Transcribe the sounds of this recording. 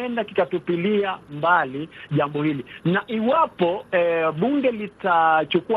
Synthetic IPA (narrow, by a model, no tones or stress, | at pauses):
ɛndakikatupiliambaliʄambɔhilinaʔiwapɔɛɓuŋɡɛlitat͡ʃukua